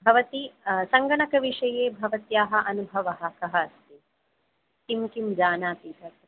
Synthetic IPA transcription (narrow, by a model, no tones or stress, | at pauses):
bʱɐʋɐt̪isɐŋɡɐɳɐkɐʋiʂɐjeːbʱɐʋɐt̪jaːɦɐ̆ʔɐnubʱɐʋɐɦɐ̆kɐɦɐɐst̪i | t̪imkimd͡ʒaːnaːp̪iːtɐt